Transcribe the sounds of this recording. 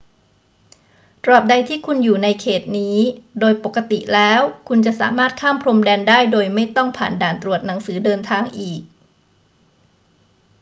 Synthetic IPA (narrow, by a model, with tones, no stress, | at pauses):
t̪ɾɔː˨˩p̚da˧jt̪ʰiː˥˩kʰu˧njuː˨˩na˧jkʰeː˨˩t̪̚niː˦˥doː˧jpo˨˩kːa˧t̪i˨˩lɛː˦˥wkʰu˧nt͡ɕa˨˩ʔsa̰ː˩˦maː˥˩t̪̚kʰaː˥˩mpʰɾo˧mdɛː˧ndaː˥˩jdoː˧jma˥˩jt̪ɔ˥˩ŋpʰa̰ː˨˩ndaː˨˩nt̪ɾu˨˩ət̪̚na˩˦ŋsɯː˩˦dɤː˧nt̪ʰaː˧ŋʔiː˨˩k̚